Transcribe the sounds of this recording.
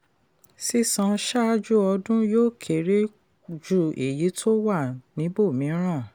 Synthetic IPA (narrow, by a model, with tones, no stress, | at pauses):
si˦sã˧ʃa˦d͡ʒu˦ɔ˧dũ˦joː˦˨kʰe˨ɾe˦ | d͡ʒu˦˨e˨ji˨˦tʰo˦wa˦˨nĩ˨˦bo˦˨mĩ˨˦ɾ̃ã˦˨